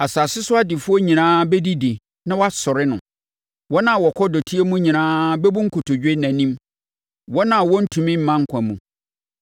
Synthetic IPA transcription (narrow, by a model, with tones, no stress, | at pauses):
a˨saː˨sɪ˦sʊ˦a˦dɪ˨fʊ˦ɔ˦ɲĩ˨nãː˦bɛ˦di˦di˨ | nã˦wɔ˦a˦sɔ˨ɾɪ˦nʊ̰̃˨ | wɔ˦nã˦˨wɔ˨kʰɔ˦dɔ˨tʰi˦e˦mũ˦ɲĩ˨nãː˦bɛ˦bu˦ŋ̩˦kʰʊ˨tʰʊ˨d͡ʑᶣe˦næ̃˨nĩ˦m | wɔ˦nã˨wɔ˦n̩˦tʰũ˨mɪ̃˦m̩˨˦mã˦ŋ̩˦kʷʰã˨mũ˨